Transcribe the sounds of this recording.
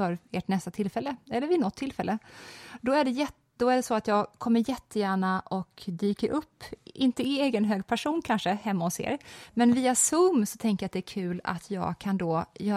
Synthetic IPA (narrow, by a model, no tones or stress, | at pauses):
œɾeːʈnɛst̪at̪ʰɪlfɛlːəɛlːəɾɪnɔt̪ʰːɪlfɛlːəd̪ɔæɖɛjɛ | d̪̥ɔæɖɛsɔat̪jɑːɡkʰɔmːəɾjɛt̪ːəjæːɳaʔɔkd̪yːkəɾʔɵpːɪnt̪əɪeːɡənɦøːɡpʰæʂuːnkʰanʂəhɛmːaʊsḛːɾmɛnviːasɵmːsɔt̪ʰɛŋkəjat̪d̪ɛæːɾkʰʉ̟ːla̰t̪ʰjɑ̰ːɡkʰand̪oːjœː